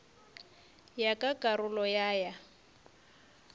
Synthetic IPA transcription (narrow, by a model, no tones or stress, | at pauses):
jakʼakʼarʊlɔjaːja